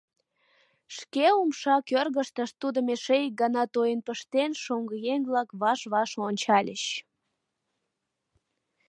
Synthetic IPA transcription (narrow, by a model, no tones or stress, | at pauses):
ʃkeumʃɑkørɣəʃt̪əʃt̪ud̪omeʃejək̚ɡɑnɑt̪ojənpəʃt̪enʃoŋɡəjeŋβlɑkβɑʃβɑʃonʲt͡ɕɑlʲəɕ